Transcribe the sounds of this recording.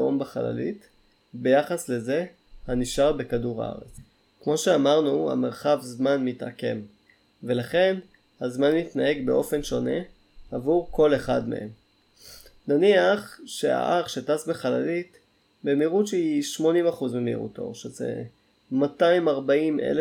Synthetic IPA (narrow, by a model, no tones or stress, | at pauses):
ombeχala̰lḭt | be̞jaχasle̞ze̞ | haniʃaʁbekaduʁa̰ʁḛt͡s | kmo̞ʃeamaʁnuha̰meʁχavzmanmita̰ke̞m | ve̞laχe̞n | hazmanmitnae̞ɡbeʔo̞fe̞nʃo̞ne̞̰ | avuʁko̞le̞χadme̞̰hem | naniaχʃea̰ʔaχʃe̞tasbeχala̰lit | bemiʁutʃehiʃmo̞nimaχuzmemḭʁṵto̞̰ʁʃezḛ | mataimaʁbaimʔḛle